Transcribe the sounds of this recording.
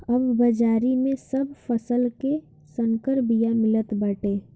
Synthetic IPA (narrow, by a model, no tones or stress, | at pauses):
ɐbːɐd͡ʒaːɾimẽsɐbfɐsəlke | sə̃ŋkəɾbijamɪlət̪bɐʈeː